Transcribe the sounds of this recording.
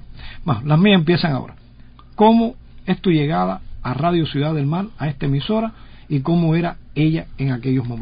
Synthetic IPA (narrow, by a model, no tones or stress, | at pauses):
maɦlamĩasemp̬je̞saŋao̰ɾa | ko̞moe̞st̪uʎe̞ɣaðaːraðjosjuðaðe̞lmalae̞st̪aemiso̞ɾa | iko̞moe̞ɾae̞ʎaeŋake̞ʎo̞smom